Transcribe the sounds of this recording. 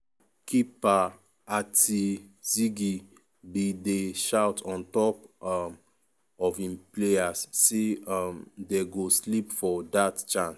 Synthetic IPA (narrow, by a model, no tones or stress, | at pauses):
kipa | atʰisiɡi | bideʃawtʰɔ̃ntɔp | ɔfĩmpleasːeamdeɡoslipfɔdatt͡ʃãns